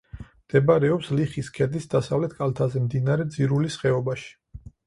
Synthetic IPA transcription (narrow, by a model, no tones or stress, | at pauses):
md̪̥ɛbaɾɛɔpsliχiskʰɛd̪isd̪asavlɛt̪̚ʰkʼalt̪ʰazɛmd̪inaɾɛd̪ziɾulisχɛɔbaʃi̥